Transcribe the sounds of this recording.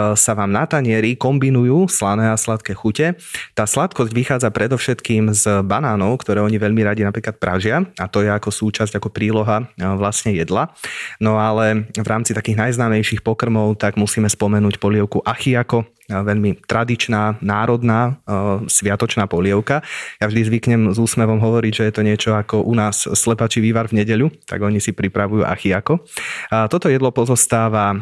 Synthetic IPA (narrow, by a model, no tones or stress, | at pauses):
saʋaːmnat̪aɲɪɛɾikɔmbinujuːslanɛːaslat̪kɛːxucɛt̪aːslat̪kɔzɟʋixaːd͡zapɾɛd̪ɔfʃɛt̪kiːmzbanaːnɔʊkt̪ɔɾɛːɔɲiʋɛʎmiɾaɟinapɾiːklat̪̚pɾʔa̰ʒɪaat̪ɔjɛakɔsuːt͡ʃazɟakɔpɾiːlɔɦaʋlasɲɛjɛd̪lanɔalɛʋɾaːmt͡sit̪akiːɣnajznaːmɛjʃixpɔkr̩mɔʊt̪aɡmusiːmɛspɔmɛnuːcpɔlɪɛʊkuʔaxiakɔ | ʋɛʎmit̪ɾad̪it͡ʃnaːnaːɾɔd̪naːsʋɪat̪ɔt͡ʃnaːpɔʎɪɛʊkajavʒd̪izʋikɲɛmzuːsmɛʋɔmɦɔʋɔɾiɟʒɛjɛt̪ɔɲɪɛt͡ʃɔakɔʔunaːsːlɛpaːt͡ʃiʋiːʋaɾvɲɛɟɛʎut̪a̰ɡɔɲisipɾipɾaʋujṵːʔa̰xiakɔt̪ɔt̪ɔjɛd̪lɔpɔzɔst̪aːʋa